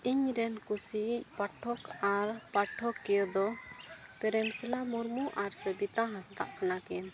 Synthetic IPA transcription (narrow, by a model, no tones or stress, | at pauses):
iɲɾɛnkusic̚ˀpaʈʰɔkaɾpaʈʰːɔkːɛjɔd̪ɔ | pɛɾɛmsɛlamuɾmuʔaɾsəbit̪aɦãsd̪a̰ʔkanakɛn